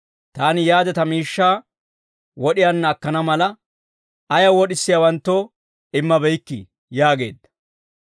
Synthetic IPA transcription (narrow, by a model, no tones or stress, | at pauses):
t̪aːnɪjaːd̪ɛt̪ɐmiːʃːaː | wɔɗɪjɐnːɐːkːɐnɐmɐlɐ | ɐjɐwɔɗɪsːɪjawɐnt̪ːɔ | ɪmːɐbɛjkːḭ | jaːɡe̞̰ːd̪ːɐ̥